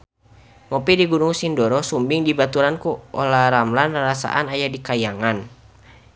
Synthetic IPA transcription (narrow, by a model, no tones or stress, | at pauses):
ŋɔpidiɡunuŋsindɔɾɔsumbiŋdibat̪uɾankuɔlaɾamlanrɾasa̰ʔanajadikajaŋan